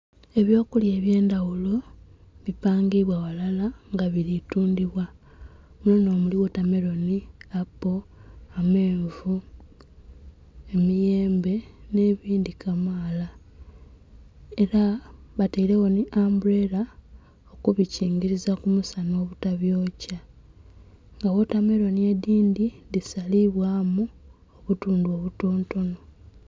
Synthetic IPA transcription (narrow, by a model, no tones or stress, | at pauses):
e̞βjo̞ːkulje̞ːβje̞ːndawulo̞βipaːŋɡiβwawalalaŋɡaβiɾituːndiβwa | mweno̞ːmuliwotame̞ɾo̞niapːoame̞ːɱvu | e̞mije̞ːmbe̞ne̞βiːndikʰamaːla | e̞ɾaβataiɾe̞woniʔambuɾe̞ɾa | okuβiciːŋɡiɾizakumusano̞ːβutaβjo̞ːca | ŋɡawo̞tame̞ɾo̞nie̞diːndidisaliβwaːmu | oβutuːnduo̞βutoːnto̞no̞